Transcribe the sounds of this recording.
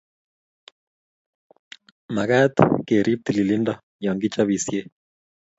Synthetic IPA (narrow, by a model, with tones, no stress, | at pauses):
ma˨ka˦t̪ke˨ɾʔi˦p̚t̪i˨li˨li˦ndɔ | jɔ˨ŋɡi˦t͡ʃaβi˨sje˦